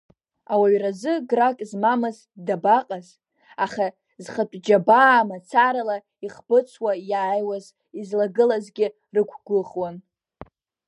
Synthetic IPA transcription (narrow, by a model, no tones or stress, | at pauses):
awaɥrazɨɡrakʼzmamɨz | dabaqʼaz | aχa | zχatʷʼd͡ʒabaːmat͡sʰaɾala | iχb̥ɨt͡sʷʰwajaːjwaz | izlaɡɨlazɡʲɪ | rɨkʷʰɡ̥ʷʊχwan